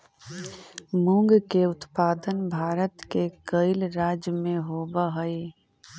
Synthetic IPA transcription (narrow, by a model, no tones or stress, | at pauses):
mʊ̃ŋɡkeʊt̪paːd̪ənbʱaːɾət̪kekəɪlɾaːd͡ʒjmẽɦoːbəɦəi